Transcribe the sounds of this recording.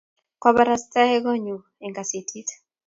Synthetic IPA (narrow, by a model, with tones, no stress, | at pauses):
ka˦baɾasta˦ɛ˦ɡɔ˦ɲu˨ | e˨ŋɡa˨sitʰi˦t